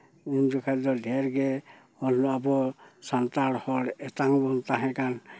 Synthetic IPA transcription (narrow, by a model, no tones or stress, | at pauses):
imd͡ʒɔkʰad̪ɔd̪ʱɛɾɡɛ | ɔllɔabɔsant̪aɽhɔɽɛtaŋbɔnt̪aɦɛ̃kan